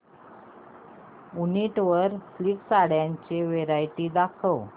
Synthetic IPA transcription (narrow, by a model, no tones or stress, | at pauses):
uniʈʋəɾfliksaɽjaɲt͡ɕeʋeɾajʈiːd̪akʰəw